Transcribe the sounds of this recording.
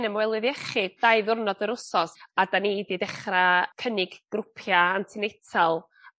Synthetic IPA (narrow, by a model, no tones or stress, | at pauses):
nəmwɛlˠɨðɛχɨd̥ajðʊrnɔdəɾʊsɔsadaniididɛχrakʰənɪɡ̥ɡ̥rʊpʰjaantʰɪnejtʰalˠ